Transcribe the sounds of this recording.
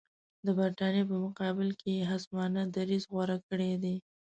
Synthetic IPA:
d̪əbaɾt̪ɑnjep̬əmʊqɑbɪlkʰejeɦazmɑnad̪aɾizɣwaɾakəɽed̪e

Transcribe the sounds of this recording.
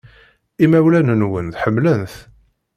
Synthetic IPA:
imæwlænənwənðħəmːlənθ

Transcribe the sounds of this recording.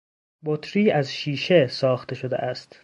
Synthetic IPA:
bot̪ʰɾiːæzʃiːʃesɒːxt̪ʰe̞ʃod̪ḛʔæst̪

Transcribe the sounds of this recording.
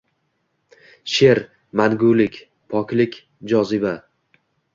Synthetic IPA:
ʃe̞ɾ | manɡʊlɪkʲ | pʰɒkʲlɪkʲ | d͡ʒɒzɪba

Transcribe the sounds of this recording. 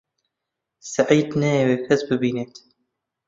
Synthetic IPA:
saʕiːd̪nɛjeweːfɛzbɨbiːneːt̪

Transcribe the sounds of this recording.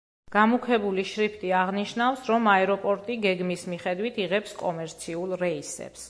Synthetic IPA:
ɡ̥amukʰɛbuliʃɾipʰt̪ʼiaʁniʃnafsɾɔmaɛɾɔpʼɔɾt̪ʼiɡɛɡmismiχɛd̪wit̪ʰiʁɛpskʼɔmɛɾt̪sʰiulˠɾɛisɛ̰ps

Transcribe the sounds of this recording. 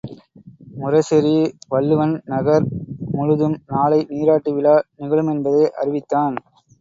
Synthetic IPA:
mʊrɐsɪɾiʋɐɭːɯʋɐnnɐɣɐɾmʊɻɯðɯmnaːɭɐɪniːɾaːʈːɯʋɪlaːnɪɣɐɭɯmɛnbɐðɐːʔɐ̰ɾɪʋɪt̪ːaːn

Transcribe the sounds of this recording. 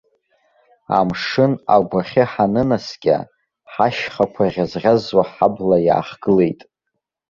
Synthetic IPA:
a̰mʂɨnaɡʷaχʲɪħanɨnasɡʲʼa̰ | ħaʃχakʷʰarʲazrʲazwaħablaja̰ːχɡ̥ɨle̞jtʼ

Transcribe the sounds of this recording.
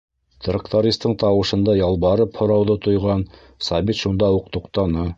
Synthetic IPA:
t̪rəkt̪aɾʲist̪ɤɴt̪ɑwɤ̆ʃɤ̆nd̪ɑjɑlˠβɑɾɤphŏɾɑwðɤt̪ŏjʁɑn | sɑβit̪ʃund̪ɑuqt̪uqt̪ɑnɤ

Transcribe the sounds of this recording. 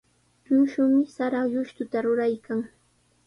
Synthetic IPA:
ʎʊʃʊmɪsaɾajʊʃt̪ʊt̪aɾʊɾajkaŋ

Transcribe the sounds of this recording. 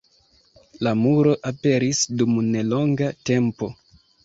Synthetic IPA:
lamuɾo̞ʔape̞ɾisdumne̞lo̞ŋɡate̞mpo̞

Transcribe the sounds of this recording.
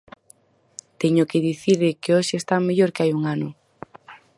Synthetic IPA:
t̪eɲʊkɪðiθiɾðɪkeoʃɪːst̪ameʎoɾkeajuŋanʊ

